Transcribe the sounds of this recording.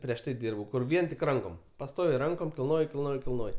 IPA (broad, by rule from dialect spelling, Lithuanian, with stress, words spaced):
pʲrʲiɛʃ ˈtɐɪ ˈdʲiːrbɐʊ kʊr ˈʋʲiɛn tʲɪk ˈrɐŋkoːm pɐˈstoːʋʲɛɪ ˈrɐŋkoːm kʲɪlˠˈnoːjɪ kʲɪlˠˈnoːjɪ kʲɪlˠˈnoːj